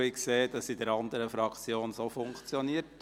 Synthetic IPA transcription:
ikseːd̥ɑsidɛɾɑnd̪əɾəfɾɑkt͡sjoːnsofʊŋkt͡sjɔniət

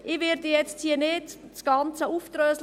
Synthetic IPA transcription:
ɪʋɪɾdəjɛt͡sthiənɪtsɡ̥ɑnt͡səuːft̪røːsl

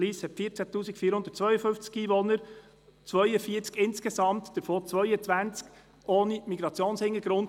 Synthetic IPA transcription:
liːshɛtfiːt͡sætuːsikfiəɾhʊnd̥̪ətt͡sʋœʏəfɵnft͡skiːʋɔnəɾ | t͡sʋœʏəfiːt͡skɪnskɛsɑmt̪d̥əɾfoːt͡sʋœʏət͡sʋænt͡sk | ʔoːnimiɡɾɑt͡sjoːnshɪŋəɡɾʊnt

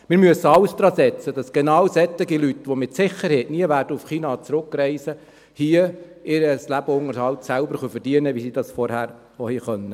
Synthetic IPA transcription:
mɪɾmyəsːəɑlsd̥̪ɾɑːsɛt͡səd̥ɑsɡ̥enɑwsɛt̪ɪɡilytʋomɪtsɪχəɾhɛɪtniəʋæːɾrdəufχiːnɑːt͡sɾʊkɾɛɪsə | hiəɪɾəslæb̥əʊŋəɾhɑlt̪sælbəɾχœfəɾd̥iənəʋisid̥ɑsfɔɾhæːɾ | ohiχœnːə

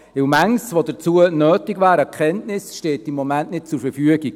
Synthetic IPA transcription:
ɪwmæŋsʋodət͡suənœːtɪɡvæːɾəkʰχɛntnɪsʃteːtimːɔmænʔnɪt̚t͡sʊɾfəɾfyəɡiɡ̥

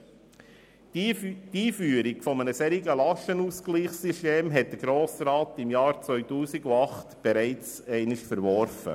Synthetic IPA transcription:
tiːfyːəɾikfɔmənəsɛɾiɡəlɑʃənuːsɡliːχsiʃteːmɦɛt̚d̥əɾɡ̥ɾoːsɾɑːtɪmjɑːɾt͡sʋœʏtuːsiɡuɑχtb̥ɛɾɛɪt͡s | ɛɪnɪʃfəɾʋɔɾfə̰

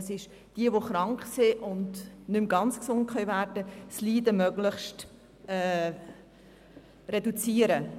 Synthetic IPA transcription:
sɪʃ | d̥iəʋoχɾɑŋkχsɪʔʊndnʏmɡɑnt͡sksʊnt̚kχœɥvæːɾdəsliːdəmœɡlɪχʃt | ɛː | redut͡siːəɾə

